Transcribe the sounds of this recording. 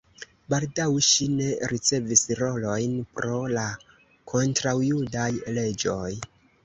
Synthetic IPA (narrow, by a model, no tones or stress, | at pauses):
baldawʃine̞ɾit͡se̞visɾo̞lo̞jnpɾo̞la | kʰo̞ntɾawjudajle̞d͡ʒo̞j